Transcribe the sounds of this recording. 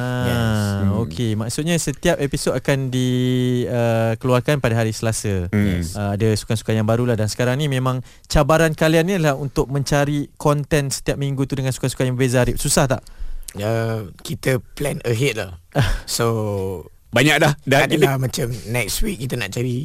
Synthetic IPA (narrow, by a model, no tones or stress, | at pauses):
a | okʰemaʔsut̪̚ɲasət̪iap̚episodakandi | əkəluarkanpadaɦaɾisəlasəəadasu̥kasu̥kajaŋbaɾulahdansə̥kaɾaŋnĩmẽmãŋ | t͡ʃabaɾankalianːilahunt̪ʊk̚mə̃ɲt͡ʃaɾikɔnt̪ɛnsə̥t̪iap̚miŋɡut̪udəŋansu̥kasu̥kajãŋbəbezaaɾɪp̚susaht̪a̰ʔəkit̪əplɛnəɦet̪̚la̰həso | baɲak̚lahdadlamãt͡ʃamnɛkstwikːit̪əna̰ʔt͡ʃaɾi